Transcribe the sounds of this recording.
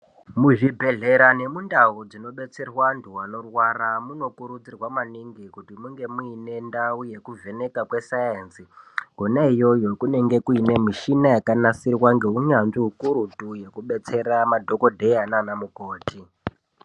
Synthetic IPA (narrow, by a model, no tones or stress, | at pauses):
muʐibʱe̞ɮe̞ɾane̞mundaud͡zino̞ɓe̞t͡se̞rwandʰʱuwano̞rwaramuno̞kuɾud͡zirwamaniŋɡikutimuŋɡe̞muine̞ndauje̞kuvʱe̞ne̞kakwe̞sajensiɡʱonaijo̞jokune̞ŋɡe̞kuine̞miʃinajakanasirwaŋɡe̞ɦuɲanʐiɦukuɾutuje̞kuɓe̞t͡se̞ɾamadʱo̞ko̞dʱe̞jananamuko̞ːti